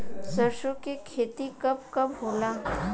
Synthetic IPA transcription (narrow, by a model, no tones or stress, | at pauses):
səɾʃokekʰeːt̪ikɐp̚kɐbɦoːla